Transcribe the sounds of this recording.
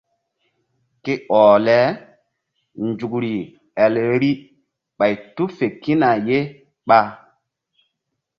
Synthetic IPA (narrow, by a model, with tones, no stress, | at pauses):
ke˦ʔɔ˨lɛ˨˦ | nd͡ʒu˨kɾi˨ | ɛ˨lɾi˦ | ɓa˨jtu˦fe˨ki˦na˨je˦ | ɓa˦